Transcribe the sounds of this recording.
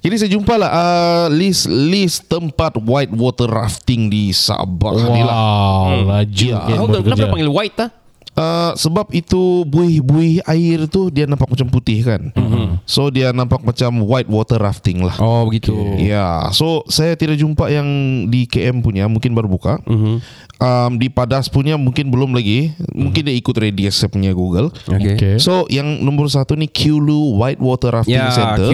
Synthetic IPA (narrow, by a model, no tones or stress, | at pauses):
d͡ʒadis̬ajad͡ʒumpalaəlislist̪əmpat̪̚wajt̪̚wɔt̪ərːa̰ft̪ɪŋdisa̰ba̰knilalad͡ʒknapaŋɡiliwaɪt̪ːah | ʔəsəbap̚it̪ubuɪhbuɪhaɪrt̪udianãmpak̚mat͡ʃamput̪ɪhkansodianãmpak̚mat͡ʃamwajt̪̚wɔt̪əraft̪ɪŋla̰hoəɡit̪ujasosajat̪idak̚d͡ʒumpaʔjaŋdikeʔɛmpuɲamũŋkɪnbaɾubuka | ʔəmdipadaspuɲamuŋkɪnbəlʊmlaɡimuŋkɪndiaikʊt̪̚rediɛsɛpɲaɡuɡəlokekesojaŋnɔ̃mbərsat̪unikʰjuluwajt̪̚wɔt̪ərɾaft̪ɪŋsɛər